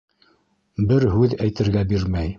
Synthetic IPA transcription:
bɘɾɦʉðæjt̪ɘ̆ɾɡæbiɾmæj

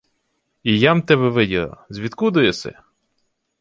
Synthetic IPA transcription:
ijamt̪ɛβɛʋɪdʲilˠɐ̰zʲʋʲit̪kud̪ʊjɛsɛ̰

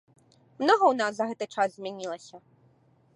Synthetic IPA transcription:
mnɔɦɔwnɑsːɐɦɛt̪ɪjt͡ʃɑzzʲmʲinʲilˠɐsʲɐ

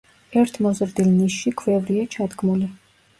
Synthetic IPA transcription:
ɛɾt̪ʰmɔzɾd̪ilniʃikʰvɛvɾiat͡ʃʰad̪ɡmuli

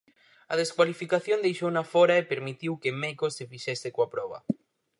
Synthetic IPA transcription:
ɐð̞eskwalifikaθjond̪ejʃownafɔɾaepeɾmit̪iwkemekosefiʃɛsekoapɾɔβ̞ɐ̰

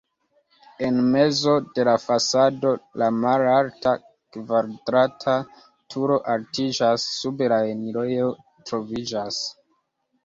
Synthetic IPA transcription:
e̞nme̞zo̞de̞lafasado̞lamalalta | kvaɾdɾatʰa | tʰuɾo̞ʔaltid͡ʒasːube̞laeniɾojo | tɾo̞vid͡ʒas

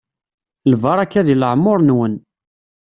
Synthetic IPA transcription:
lvɑɾˤækːæðiləʕmːʊɾˤnwən

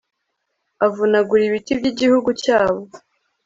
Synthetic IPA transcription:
avunaɡuɾiβitibɟiɟihuɡucaːβo

